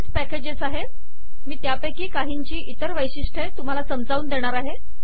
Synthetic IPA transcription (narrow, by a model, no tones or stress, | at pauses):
t͡spæked͡ʑesaɦe | miːt̪japekiːkaɦiɲt͡ɕiːʔit̪əɾʋəjɕiʂʈʰət̪um̤alasəmd͡zauːnd̪eɽ̃aɾaɦe